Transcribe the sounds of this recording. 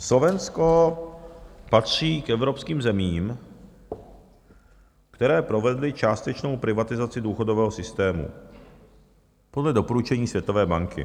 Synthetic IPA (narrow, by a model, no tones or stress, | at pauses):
slo̞vɛnsko | pat̪r̝̥iːkʔɛvɾo̞pskiːmzɛmiːm | kt̪ɛɾɛːpɾo̞vɛdlɪt͡ʃaːst̪ɛt͡ʃno̞wpɾɪvat̪ɪzat͡sɪduːxo̞dovɛːɦosɪst̪ɛːmṵ | podlɛdo̞poɾut͡ʃɛɲiːsvjɛt̪o̞vɛːbaŋkɪ̰